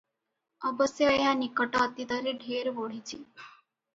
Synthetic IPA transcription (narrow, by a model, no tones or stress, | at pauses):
əbəsjəɦanikəʈaət̪it̪aɾeɖʱeɾʋoɽ̤it͡ɕiː